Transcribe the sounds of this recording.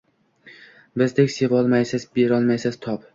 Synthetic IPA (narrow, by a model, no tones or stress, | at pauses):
bɪzd̪ekʲse̞vɒlˠmajsɪzbeɾɒlˠmajsɪzt̪ʰɒp